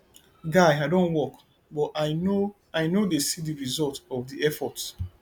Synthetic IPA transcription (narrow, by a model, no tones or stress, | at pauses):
ɡaɪaɪdõnwɔk | bɔtaɪno | aɪnodesidiɹizɔltɔvdiɛfɔt